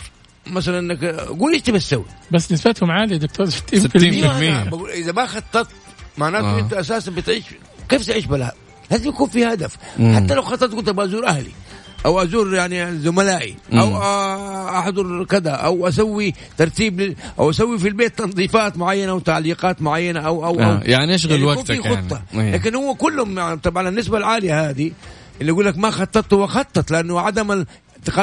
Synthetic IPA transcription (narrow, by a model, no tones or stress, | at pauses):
masalanʔɪnːakɡuːlʔɪʃt̪ɪbat̪sawːḭbasːnɪsbat̪hʊmʕaːlid̪ʊk̚t̪oːɾt̪ːiːmiːamɪːbaɡuːlʔɪzabaxɑt̪ˤːɑt̪̚ˤ | maʕnaːʊmɪt̪uʔasaːsanbɪt̪ʕiːʃ | keːft̪ɪʕiːʃbalha̰ | laːzɪmjakuːnfihad̪afħat̪ːalawxɑt̪ˤːɑt̪̚kʊlt̪ʔabaʔazuːɾʔahlḭ | ʔawʔazuːɾjaʕnizʊmalaːʔḭʔawʔaʔaħd̪ˤɑɾkɪd̪aʔawʔas̬awːi | t̪ɑɾˤt̪iːblɪʔa̰wʔasawːifilbeːt̪ːɑnd̪ˤiːfɑːt̪mʊʕajːanaʔawt̪aʕliːqɑːt̪mʊʕajːanaʔawʔawʔa̰jaʕniʔaʃ̬ɣalwkːfiːxʊt̪ˤːɑaːkɪnhʊwːakʊlːhʊmat̪ˤɑbʕananːɪsbalʕaːlɪjahaːd̪i | ʔɪlːiʔaɡuːlːakmaxɑt̪ˤːɑt̪ːwɪxɑt̪ˤːɑt̪lɪʔanːʊʕad̪am | t̪ːɪqɑ